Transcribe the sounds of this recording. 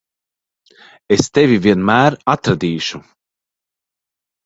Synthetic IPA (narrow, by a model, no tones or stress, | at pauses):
est̪evʲiviɛnmæːɾat̪ɾad̪iːʃu